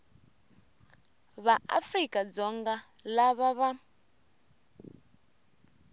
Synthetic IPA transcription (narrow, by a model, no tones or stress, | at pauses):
βaa̰frikʼad͡zɔŋɡa | laβaβa